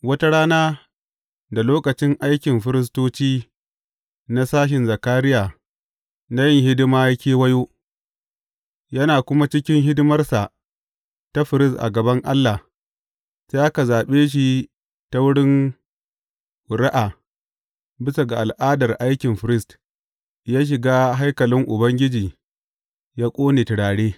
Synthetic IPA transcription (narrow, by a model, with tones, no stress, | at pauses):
wɐ˦ta˦ɽaː˦naː˦ | da˨loː˦kɐ˨t͡ʃɪ˦ŋʔa˦jkʲɪ˨mɸɪ˦ɾɪ˦s̬toː˦t͡ʃiː˦ | na˦saː˦ʃ̬ɪ˨nza˨kaː˦ɾɪ˦jaː˨ | na˦jɪ˦ŋhɪ˦dɪ˦maː˦ja˦kʲeː˦wɐ˦joː˦ | jɐ˦naː˨kʷʊ˦ma˦t͡ʃɪ˦kʲɪ˦ŋɦɪ˦dɪ˦mɐ˦rsa˨ | ta˦ɸɪ˨ɾɪ˦stʔa̰˨ɡɐ˨bɐ˦ŋʔa˦lːa˨h | sa˦ʔa˦ka˨zaː˨ɓeː˦ʃ̬i˨ | ta˦wʊ˦ɽɪ˦n˨ | ɾa˦ʔa˨ | bɪ˦sa˨ɡa˨ʔa˨lʔaː˦dɐ˨rʔa˦jkʲɪ˨mɸɪ˨ɾɪ˦st | jaː˦ʃ̬ɪ˨ɡaː˦ɦa˦jkɐ˨lɪ˦ŋʔʊ˨bɐ˦ŋɡʲɪ˦d͡ʒiː˨ | jaː˦kʷʼoː˦neː˨tɪ˨ɽaː˨ɽeː˦